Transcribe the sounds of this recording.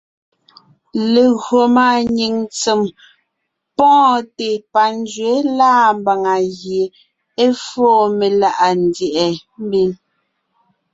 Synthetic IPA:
le˨ɣɰo˨ma˦˨ɲi˨ŋt͡se˨m | pɔ̃ː˦te˨pa˨n˦d͡ʒɥe˨˦laː˦˨mba˨ŋa˨ɣje˨ | e˦foː˦˨me˨la˦ʔa˨n˨˦djɛ˨ʔɛ˨m˦bi˦n

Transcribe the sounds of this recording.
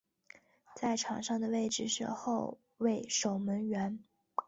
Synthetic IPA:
t͡sa˥˩ɪʈ͡ʂʰɑ̰˨˩ŋʂɑ˥˩ŋd̪ə˩we˥˧ɪʈ͡ʂɻ̩˩ʂɻ̩˥˧xo˥˧ʊ | we˥˩ɪʂo˨˩ʊmə˧˥nɥɛ˧˥n

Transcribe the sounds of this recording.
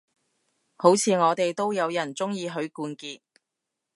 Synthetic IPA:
ho˨˥wt͡sʰiː˨˧ŋɔː˨˧t̪e˨jt̪o˥wjɐ˨˧wjɐ˨˩nt͡sʊ˥ŋjiː˧ɦɵ˨˧ɥkuː˧nkiː˧t̚

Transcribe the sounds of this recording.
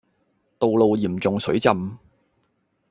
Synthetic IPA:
t̪o˨wlo˨˧wjiː˨˩mt͡sʊ˨ŋsɵ˨˥ɥt͡sɐ˨˧m

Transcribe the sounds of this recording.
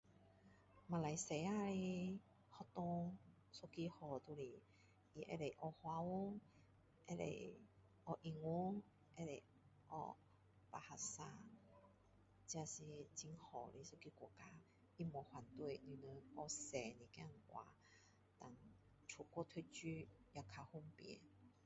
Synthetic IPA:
ma˨˩la˨˩jse˨˦a˧li˧ | hɔ˧t̪ɔ̃˧ŋ | so˦˧ki˧hɔ˨˩t̪u˧li˨˩ | i˧ʔḛ˧le˨ʔɔ˧hwa˧wu˦ŋ | ḛ˧lḛ˨j | ɔ˧ʔi˧ŋwu˦ŋ | ʔe˧le˨˩ | ʔɔ̰˧ | pa˧˩ha˧sa˧ | t͡ɕja˧si˧t͡ɕi˧ŋhɔ˨˩li˧˦so˧ki˧kʷɔ˧˩ka˧ | i˧mɔ˨hwa˨˩nt̪we˥˧˨ni˧nə˧ɔ˧se˨˩nĩ˨˩kjã˥˧˨ŋ˨ʔwa̰˨˩ | t̪a˨ŋ | t͡sʰu˨˩kwɔ˧t̪ʰwe˧˦t͡ɕy˦ja˧kʰa˧hu˧ŋpjɛ̰˨˦

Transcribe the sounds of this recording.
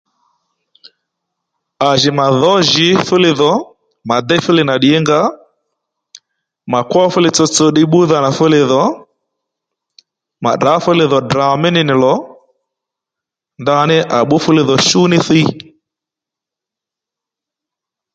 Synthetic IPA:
a˨ʒɪ˨ma˨ðɔ˦ʒɪ˨˦fʊ˦lɪ˨ðɔ˨˦ | ma˨d̪ɛ˦fʊ˦lɪ˨na˨ɗɪ˨ɛ˦ŋɡa˦ | ma˨kwɔ˦fʊ˦lɪ˨t͡sɔ˧t͡so˧ɗɪ˦ɓʊ˦ða˨na˨fʊ˦lɪ˨ðɔ˨˦ | ma̰˨da˨˦fʊ˦lɪ˨ðɔ˨dɾa˨mɪ˦nɪ˦nɪ˨lɔ˨˦ | nda˦nɪ˦ʔa˨ɓʊ˦fʊ˦lɪ˨ðɔ˨ʃu˦nɪ˦θi˦

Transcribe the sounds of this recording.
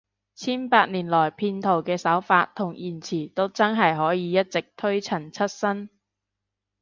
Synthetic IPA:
t͡sʰiː˥npaː˧t̚niː˨˩nlɔː˨˩jpʰiː˧nt̪ʰo˨˩wkɛː˧sɐ˨˥wfaː˧t̪ʰːʊ˨˩ŋjiː˨˩nt͡sʰiː˨˩t̪o˥wt͡sɐ˥nɦɐ˨jɦɔː˨˥jiː˨˧jɐ˥t̚t͡sɪ˨k̚t̪ʰɵ˥ɥt͡sʰɐ˨˩nt͡sʰɐ˥t̚sɐ˥n

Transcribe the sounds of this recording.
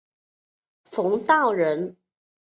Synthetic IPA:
fʊ˧˥ŋt̪ɑ˥˩ʊɻə˧˥n

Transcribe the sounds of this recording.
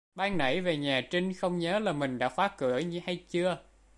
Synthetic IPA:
ɓaː˧ŋnə̰˧˥˩jve˨˩ɲaː˨˩t͡ɕï˧ŋxə˧wŋ͡mɲəː˨˦laː˨˩mï˨˩ŋ̟ɗa̰ː˧˥faː˨˦˥kɨ˧˩əjɲɨ˧ha˧jt͡ɕɨ˧ə

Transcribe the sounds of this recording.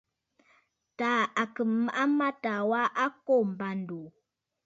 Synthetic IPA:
ta˨˦a˨kə˨mː˨ʔa˦ma˦ta˨wa˦ʔa˦ko˦˨m̩˨ba˨n˨du˨

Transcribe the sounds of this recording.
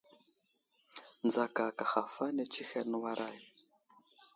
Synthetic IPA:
nd͡za˨ka˨ka˨xa˨fa˦nɛ˨t͡ʃʰi˦xɛ˦˨nu˦wa˦ɾʔa˦ji˨

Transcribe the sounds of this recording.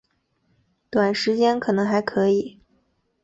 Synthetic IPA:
t̪wa˨˩nʂɻ̩˧˥t͡ɕjɛ˥nkʰɤ˨˩nɤ˧˥ŋxa˧˥ɪkʰɤ˧˥i˨˩˦

